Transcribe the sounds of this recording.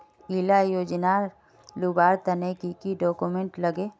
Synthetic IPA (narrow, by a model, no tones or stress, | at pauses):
ilajoːd͡ʒnaɾ | lubaːɾt̪ənekikiɖɔːkumẽɳʈləɡe